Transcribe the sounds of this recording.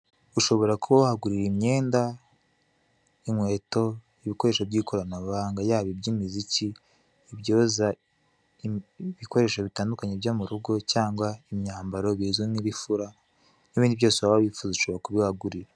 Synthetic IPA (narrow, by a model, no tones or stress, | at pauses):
uʃo̞βo̞ɾakuβawahaɡuɾiɾemɲe̞ːnda | iŋwe̞ːto̞ | iβiko̞ɾe̞ʃobɟiːkʰo̞ɾanaββaːŋɡajaːβibɟimiziciː | βjo̞ːza | βiko̞ɾe̞ːʃo̞βitaːndukaɲebjomuɾuɡo̞caːŋɡwaimɲaːmbaɾo̞βizuniβifuɾa | niβiːndiβjo̞ːseβaβaβifuːzuʃoβɾakuβiwahaɡuɾiɾa